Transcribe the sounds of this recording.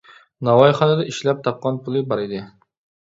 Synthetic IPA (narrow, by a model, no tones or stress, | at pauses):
nɑwɑjχɑnɨd̪ɛʔiʃlɛp̚t̪ʰɑp̚qɑnpʰulˠɪbɑɾɪd̪ɪ